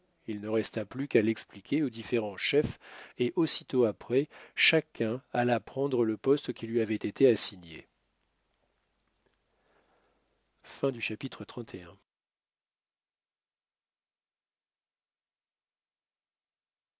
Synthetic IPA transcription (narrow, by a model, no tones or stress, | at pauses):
ilnəʁɛst̪aplykalɛksplikʲʰeod̪ifeʁɑ̃ʃɛfeʔosit̪oapχɛʃakʲʰɛ̃alapχɑ̃d̪ʁələpɔst̪kʲilɥiavɛt̪et̪easiɲḛ | fɛ̃d̪yʃapit̪χət̪χɑ̃t̪ʰeɛ̃